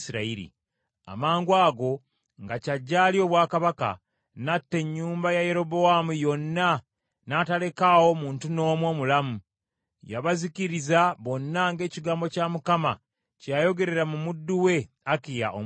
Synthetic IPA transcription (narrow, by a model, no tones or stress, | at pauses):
siɾaiɾḭ | a̰maːŋɡwaːɡo̞ | ŋɡacaɟːaːlio̞ːβwaːkaβaka̰ | natːe̞ɲːuːmbajaje̞ɾo̞bo̞amujo̞nːa | natale̞kawo̞muːntuno̞ːmwo̞ːmulamu | jaβaziciɾizaβo̞nːaŋɡe̞ːciɡaːmbo̞camukama | cajo̞ɡe̞ɾe̞ɾamumudːuwe̞ | akija̰ʔo̰